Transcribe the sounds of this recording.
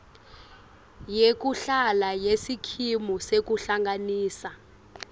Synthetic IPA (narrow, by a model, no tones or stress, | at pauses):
jek̬uɬalajesikʰimusek̬uɬaŋɡaniːsa